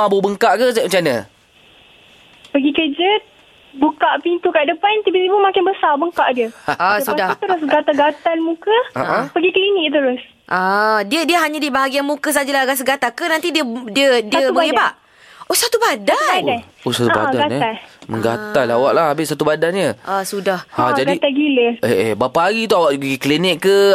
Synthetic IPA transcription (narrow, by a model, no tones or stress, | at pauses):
abʊbəŋkaʔkəəmət͡ʃanə | pəɡikəd͡ʒət̪̚ | bukaʔpint̪ukaʔdəpant̪ibisibumakɪnbəsarbəŋkaʔdiəasəadat̪əɾʊsɡat̪aɡat̪almukəa̰ʔapəɡikəliniʔt̪̬əɾʊs | ʔadiədiəɦaɲadibaɦaɡianmũkəs̬ad͡ʒəlaɡas̬əɡat̪akənãnt̪idiədiədiəməɡibaʔ | osat̪ubadaadaosat̪uba̰daɡanaməŋɡa̰t̪alawaʔlahabɪʔsat̪ubadanɲəʔasudahad͡ʒadɡait̪aɡiləeʔebapaaɡit̪uawaʔbəɡiklinɪkːə